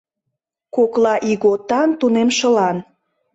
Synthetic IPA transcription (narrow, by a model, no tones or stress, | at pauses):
koklɑʔiɣot̪ɑnt̪unemʃəlɑn